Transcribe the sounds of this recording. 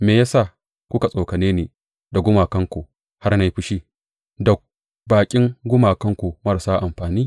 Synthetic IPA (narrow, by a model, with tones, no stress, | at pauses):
meː˨jaː˦sa˦˨ | kʷʊ˦ka˨sʼoː˨kɐ˨neː˦neː˨ | da˨ɡʷʊ˦maː˨kɐ˦ŋkʷu˨ | ha˦rna˦ji˦ɸɪ˦ʃiː˦ | dɐ˨ | baː˨kʲʼɪ˦ŋɡʷʊ˦maː˨kɐ˦ŋkʷu˨mɐ˦rsaː˦ʔa˨mɸaː˨niː˦